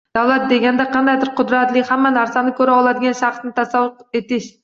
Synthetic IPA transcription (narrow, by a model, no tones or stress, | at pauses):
d̪̥æwlˠɛt̪̚d̪eɡʲɛnd̪ɛqʰɑnd̪ɑjd̪ɪɾqʰʊd̪ɾɛt̪lˠɪkʲhæmːɛnæɾsɛnɪkʲʰøɾɪɑlˠɑd̪ɪɡʲɑnʃɑχt̪nɪt̪ʰɑsɑwːʊqet̪ɪʃ